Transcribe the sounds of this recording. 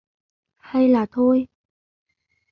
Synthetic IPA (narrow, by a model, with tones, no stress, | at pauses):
ha˧jlaː˨˩t̪ʰo˧j